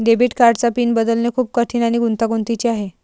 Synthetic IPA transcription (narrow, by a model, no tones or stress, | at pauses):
ɖebiːʈkaɾɖt͡sapiːnbəd̪əlnekʰuːp̚kəʈʰiːnaɽ̃iɡunt̪aɡunt̪it͡ɕiaɦe